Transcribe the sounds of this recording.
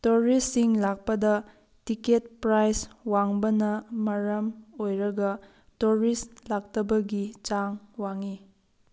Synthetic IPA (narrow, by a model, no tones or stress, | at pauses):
tuɾisːiŋlak̚pɐdɐ | tiket̚pɾajswaŋbɐnɐmɐɾɐmojɾɐɡɐ | tuɾislak̚tɐbɐɡit͡ʃaŋwaŋi